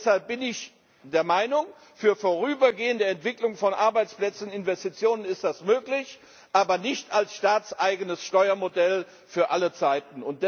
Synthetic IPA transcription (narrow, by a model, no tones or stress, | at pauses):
shalp̚b̥ɪnɪç | d̥eːɐmaɪnʊŋ | fyːɐfoːʁ̞yːbɐɡeːəndəɛntv̥ɪklʊŋfɔnʔaɐbaɪt͡splɛt͡sn̩ɪnvɛstit͡sjoːnənɪstd̥asmøːklɪç | ʔaːbɐnɪçtalsʃtaːt͡sʔaɪɡənəsʃtɔʏɐmodɛl | fyːɐʔalət͡saɪtn̩ʊnt̚d̥